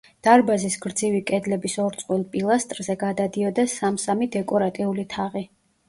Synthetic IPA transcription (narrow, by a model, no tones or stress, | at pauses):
d̪̥aɾbazisɡɾd̪zivikʼɛd̪lɛbisɔɾt̪sʼqʼwilˠpʼilˠast̪ʼɾzɛɡad̪ad̪iɔd̪asamsamid̪ɛkʼɔɾat̪ʼiulit̪ʰaʁi